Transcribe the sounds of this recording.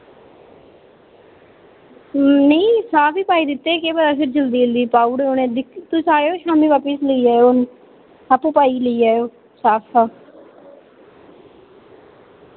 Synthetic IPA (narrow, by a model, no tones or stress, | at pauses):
nəĩːsaːpʰiːpaːiːd̪ɪt̪ːeːkeːbəd̪aːpʰɪɾd͡ʒəld̪iːəld̪iːpaːuːɽeːonẽːd̪ɪkt̪ʊsaːɾeoʃaːmiːʋaːpəsləiːaːoon | apũːpaːiːləiːaːjoː | saːpʰaː